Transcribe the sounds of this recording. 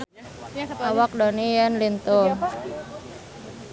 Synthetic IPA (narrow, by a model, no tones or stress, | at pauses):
awak̚dɔnijənlint̪u